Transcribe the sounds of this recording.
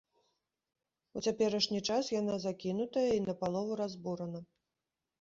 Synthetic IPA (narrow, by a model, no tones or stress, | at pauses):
ut͡sʲapʲɛɾɐʂnʲit͡ʂasjan̪azakʲinut̪ɐjɐinɐpalˠɔvuɾazbuɾɐnɐ